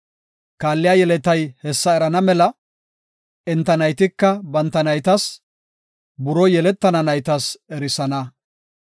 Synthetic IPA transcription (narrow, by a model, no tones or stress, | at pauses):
kaːlːɪjajɛlɛt̪ɐjhɛsːɐɛɾɐnɐmɛlɐ | ɛnt̪ːɐnɐjt̪ɪkːɐbɐnt̪ːɐnɐjt̪ɐs | bʊɾɔjɛlɛt̪ːɐnɐnɐjt̪ɐsɛɾɪsɐnɐ